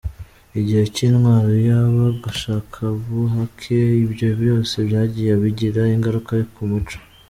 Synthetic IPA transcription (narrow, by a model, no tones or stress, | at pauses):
iɟihe̞ciːnwaːɾojaβaɡaʃaːkʰaβuɦakʰeiβjo̞bjo̞ːse̞βjaːɟijeβiɟiɾaiŋɡaɾukajokumut͡ʃo̥